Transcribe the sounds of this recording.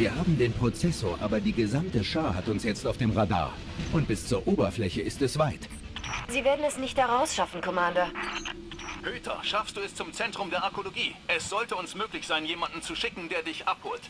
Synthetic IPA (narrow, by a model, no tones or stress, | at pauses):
viːɐɦaːbm̩deːnpʁ̥ot͡sɛsoːɐʔa̰ːbɐdiːɡəzamtəʃaɐhatʊnsjɛt͡staʊfd̥eːmʁada̰ːɐ | ʔʊnt̚b̥ɪst͡suːɐʔoːbɐflɛçəɪstɛsv̥aɪt | ziːveːɐdn̩ɛsnɪçthɛʁaʊsʃafn̩kʰɔmandɐ | høːtʰɐ̰ʃafstd̥uːɛst͡sʊmt͡sɛntʁ̥ʊmdeːɐaɐkoloɡiːʔɛsz̥ɔltəʊnsmøːklɪçz̥aɪnjeːmandn̩t͡suʃɪkŋ̩deːɐdɪçʔaphoːlt